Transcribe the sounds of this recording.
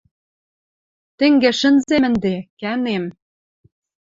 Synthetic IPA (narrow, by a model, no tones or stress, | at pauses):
t̪ĕŋɡeʃə̆nzemɘ̆nd̪ekænem